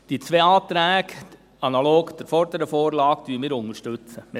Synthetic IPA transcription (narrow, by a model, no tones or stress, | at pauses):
d̥it͡sʋeːɑːt̪ɾæːɡ | ɑnɑloːkd̥̪əɾfɔɾd̪əɾəfoːɾlɑːkd̥yːəmiːɾʊŋəʃtʉt͡səm